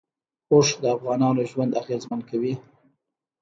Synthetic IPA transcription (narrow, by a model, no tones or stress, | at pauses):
oʂd̪əafɣɑnɑnoʒwand̪aɣezmankawi